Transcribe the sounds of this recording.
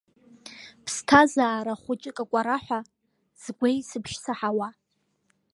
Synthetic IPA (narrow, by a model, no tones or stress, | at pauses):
pʰstʰazaːɾaχʷʊt͡ʃʼɪkʼakʷʼaɾaħʷa | z̥ɡʷejsɨpʰʃsaħawa